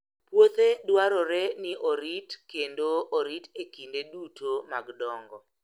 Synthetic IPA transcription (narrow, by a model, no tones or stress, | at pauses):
pwot̪edwaɾɔɾenɪʔoɾitkendooɾitekindedutʰomaɡdɔŋɡɔ